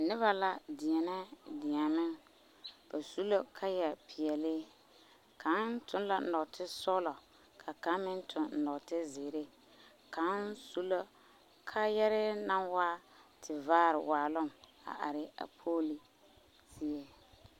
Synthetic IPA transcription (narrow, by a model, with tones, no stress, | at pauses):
nɪ˦βa˦la˨dɪ˨ɛ˨nɛ˦dɪ˨a˨mɪ˦ŋ | b̥a˨su˦lo˦kʰa˦jɛ˨pʰɪ˨ɛ˨lɪ˦ | kʰa˨˦ntʊ˦n˦la˨˦nɔ˨ktʰɪ˦sɔ˦lɔ˨ | kʰa˨ka˦mɪ˦ntʰʊ˨n̩˨nɔ˨tɪ˦zeː˨ɾe˦ | ka˨˦nsu˦lo˦ | kʰa˦jɛ˦ɾɪ˦na˦nwaː˦tʰɪ˨vaː˦ɾɪ̰˨waː˨lʊ˦ma̰˨ʔa̰˨ɾɪ˨a̰˨pʰoː˦li˨ | si˦e˦